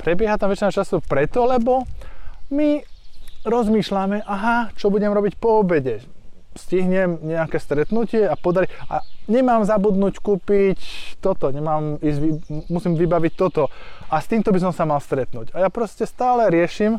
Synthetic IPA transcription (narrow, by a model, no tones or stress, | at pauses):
pɾɛbɪɛɦat̪amʋɛt͡ʃinat͡ʃasupɾɛt̪ɔlɛbɔ | mi | ɾɔzmiːʃlamɛʔaɦat͡ʃɔbuɟɛmɾɔbicpɔɔbɛɟɛsciɦɲɛmɲɛakɛːst̪ɾɛt̪nucɪɛapɔd̪aɾiʔa̰ɲɛmaːmzabud̪nuckuːpict̪ɔt̪ɔɲɛmaːmiːzɟʋimusimʋibaʋic̚t̪ɔt̪ɔast̪iːmt̪ɔbis̬ɔmsamalst̪ɾɛt̪nuːɟajapɾɔscɛst̪aːlɛɾɪɛʃim